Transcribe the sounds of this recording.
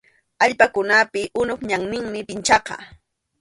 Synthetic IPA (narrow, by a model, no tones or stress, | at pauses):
aʎpakʊnapɪʔʊnʊpɲaŋnɪŋmɪpɪnt͡ʃɑqɑ̰